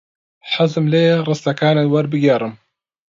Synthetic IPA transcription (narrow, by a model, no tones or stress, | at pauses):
ħazɨmleːɾˤɨst̪ɐkaːnewɐɾbɨɡeɾˤɨm